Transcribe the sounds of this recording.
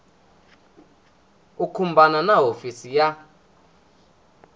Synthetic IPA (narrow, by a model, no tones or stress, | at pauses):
ukʰumbananaɦofisija